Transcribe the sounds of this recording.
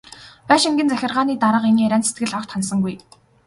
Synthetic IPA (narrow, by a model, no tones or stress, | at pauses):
pæːʃiŋɡʲɘ̆nt͡sæxʲɪ̆rʁaːniːt̪aɾə̆qeniːæɾʲæːnset̪ɡɘ̆ɮɔk̚t̪χansə̆ŋɡuj